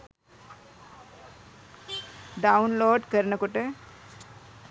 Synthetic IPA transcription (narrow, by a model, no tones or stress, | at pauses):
ɖaunloːɖkəɾnəkʊʈe